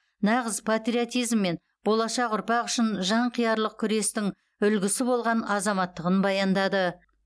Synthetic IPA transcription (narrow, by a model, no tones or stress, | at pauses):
nɑʁəzpʰat̪ɾʲiot̪ijzmːe̞n | b̥o̞lˠɑʃɑqʊɾpɑqʏʃɪnʒɑɴqʰijɑɾlˠəq̚kʲʰʏɾe̞st̪ɪŋ | ʏlɡʲɪsɪbo̞lˠʁɑnɑzɑmɑt̪ːəʁənbɑjɑnd̪ɑd̪ə